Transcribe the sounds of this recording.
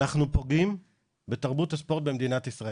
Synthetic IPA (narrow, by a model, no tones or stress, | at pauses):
aχnupo̞ɡim | be̞t̪aʁbut̪aspo̞ʁt̪̚bemd̪inatisʁa